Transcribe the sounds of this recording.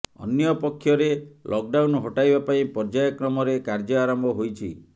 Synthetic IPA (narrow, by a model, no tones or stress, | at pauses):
ɔ̰njɔpɔkʰːjɔɾelʔɔk̚ɖawnɦɔʈajbapaĩpɔɾd͡ʒajɔkɾɔmɔɾekaɾd͡ʒɔaɾɔmbʱɔɦojt͡ʃʰi